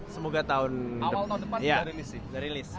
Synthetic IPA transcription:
səmoɡat̪aʊnadəwalt̪aundəpanjaaɾilisɪdaɾilɪs

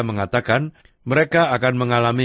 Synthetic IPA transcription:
məŋat̪akan | məɾekaːkanməŋalami

